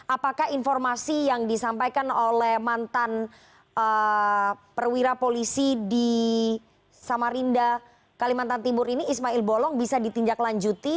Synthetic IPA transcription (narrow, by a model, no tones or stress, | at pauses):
ʔapakahinfɔrmasijaŋdisampajkanolɛhmant̪an | ə | pərwiɾapolisidi | samaɾinda | kalimant̪ant̪imʊɾiniːsmaɪlbolɔŋbisadit̪iɲd͡ʒaklaɲd͡ʒut̪i